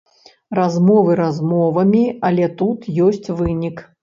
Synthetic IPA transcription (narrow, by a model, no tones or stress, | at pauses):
razmɔvɨɾazmɔvɐmʲiɐlʲɛt̪ut̪jɔsʲt͡sʲvɨnʲik